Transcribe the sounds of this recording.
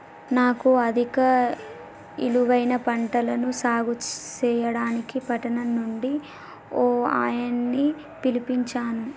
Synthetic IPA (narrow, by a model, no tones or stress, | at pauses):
naːkuɐd̪ʱikɐ | ḭluʋɐjnɐpɐɳʈɐlɐnusaːɡut͡ʃt͡ʃɛːjɐɽaːnikipɐʈɐnɐnːuɳɖi | oːa̰ːjɐnːi | pilipiɲt͡ʃaːnu